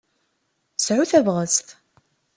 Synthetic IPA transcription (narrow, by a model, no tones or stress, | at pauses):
sʕuθævʁəst̪